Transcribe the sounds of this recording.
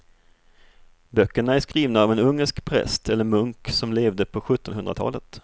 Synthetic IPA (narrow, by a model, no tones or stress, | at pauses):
bœkːəɳaæʂkɾiːvnaːvɛnɵŋːəʂkpʰɾɛ̰st̪ɛlːəɾmɵŋksɔmleːvd̪əpʰɔɧɵt̪ːɔnɦɵnd̪ɾat̪ʰɑ̰ːlət̪